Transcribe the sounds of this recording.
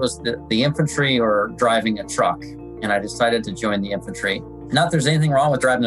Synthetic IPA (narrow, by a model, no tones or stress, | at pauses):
wʌzðɨðiɪ̃ɱfɨ̃ntʰɹ̥iə˞dɹaɪvɪ̃ŋɨtʰɹ̥ʌ̰k | ɨ̃ñaɪdɨsaɪɾɨd̚tʰɨd͡ʒɔ̃ɪ̃nðiɪ̃ɱfɨ̃ntʰɹ̥i | nət̪̚ðə˞zɛniθɪ̃ŋɹɔ̃ŋwəðdɹaɪvɪ̃ŋ